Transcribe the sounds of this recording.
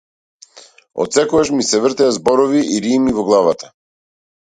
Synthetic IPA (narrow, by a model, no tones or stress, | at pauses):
ɔ̰t̪sɛkɔɡaʃmisɛvɾt̪ɛjazbɔɾɔviʔiɾimivɔɡlˠavat̪ʰḁ